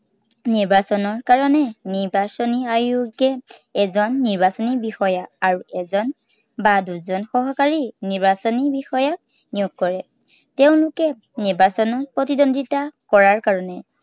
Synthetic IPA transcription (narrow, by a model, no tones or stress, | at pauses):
niɹbasɔnɔɹkaɹɔnɛniɹbasɔniajuɡɛɛzɔnːiɹbasɔnibixɔjakaɹuɛzɔn | baduzɔnxɔɦɔkaɹiniɹbasɔnibixɔjak̚ | nijuɡ̚kɔɹɛ | tɛʊ̃lʊkɛ | niɹbasɔnɔpɹɔtidɔnditakɔɹaɹkaɹɔnɛ